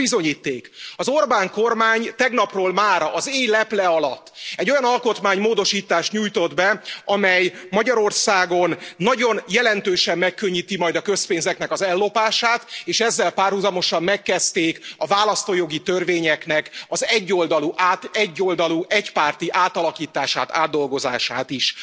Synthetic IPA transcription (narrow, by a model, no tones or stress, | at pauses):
bizo̞ɲiːt̪ːeːkɒzo̞rbaːŋko̞rmaːɲt̪ɛɡnɒproːlmaːɾɒzeːɲlɛplɛɒlɒ̰t̪ːɛɟːo̞jɒnɒlko̞t̪maːɲmoːd̪o̞ʃiːt̪aːʃt̪ɲuːjt̪o̞d̪bɛɒmɛjmɒɟɒɾo̞rsaːɡo̞nːɒɟo̞njɛlɛnt̪øːʃɛmːɛkːøɲːit̪imɒjd̪ɒkø̞speːnzɛknɛkɒzɛlːo̞paːʃaːt̪eːʃɛzːɛlpaːrhuzɒmo̞ʃɒmːɛkːɛst̪eːkɒvaːlɒst̪oːjo̞ɡit̪ørveːɲɛknɛkɒzɛɟːo̞ld̪ɒluʔaːt̪ɛɟːold̪ɒluʔɛcpaːrt̪iʔaːt̪ɒlɒkiːt̪aːʃa̰ːt̪a̰ːd̪ːo̞lɡo̞za̰ːʃaːt̪iʃ